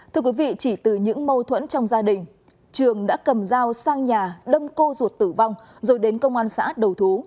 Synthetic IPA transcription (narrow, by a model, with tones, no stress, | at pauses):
t̪ʰɨ˧əkwi˨˦vḭ˧˨t͡ɕi˧˩t̪ɨ˨˩ɲɨ̰˧˥ŋmə˧wt̪ʰwə̰˧˥nt͡ɕɔ˧wŋ͡mzaː˧ɗï˨˩ŋ̟ | t͡ɕɨ˨˩əŋɗa̰ː˧˥kə˨˩mzaː˧wsaː˧ŋɲaː˨˩ɗə˧mko˧zu˨˩ət̚t̪ɨ˧˩va˧wŋ͡m | zo˨˩jɗe˨˦nkə˧wŋ͡mʔaː˧nsa̰ː˧˥ɗə˨˩wt̪ʰu˨˦